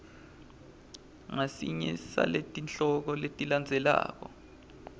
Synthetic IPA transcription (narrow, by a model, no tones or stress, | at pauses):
ŋasiɲɛsa̰letʼint͡ɬɔk̬ɔletʼiland͡zʱɛla̰ːk̬ɔ